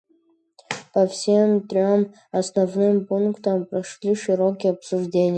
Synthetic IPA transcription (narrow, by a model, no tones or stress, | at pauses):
pɐfsʲemt̪rʲom | ɐsnɐvnɨmpunkt̪ʰɐmprɐʂlʲiʂɨɾokʲijɐpsuʐdʲenʲij